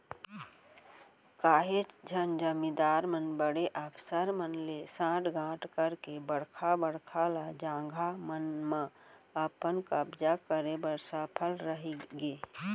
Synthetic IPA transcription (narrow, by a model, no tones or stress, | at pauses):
kaːɦet͡ʃd͡ʒʱənd͡ʒəmĩd̪aːɾmənbəɽeʔəkʰsəɾmənlesãːʈʰɡʱãːʈʰkəɾkebəɽkʰabəɽkʰalad͡ʒãːŋɡʱamənmã | əpənkəbd͡ʒakəɾebəɾsəpʰəlɾəɦiɡeː